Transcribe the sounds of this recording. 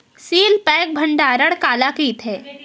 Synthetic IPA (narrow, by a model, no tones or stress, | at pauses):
siːlpɛːk̚bʱɐ̃ɳɖaːɾəɽkaːlakiːt̪ʰɦɛː